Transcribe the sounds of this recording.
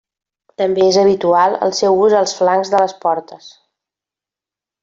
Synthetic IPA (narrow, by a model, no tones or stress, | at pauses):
t̪əmbeezəβ̞it̪ualˠə̰lˠsɛwuzəlˠsflaŋzðələspɔɾt̪əs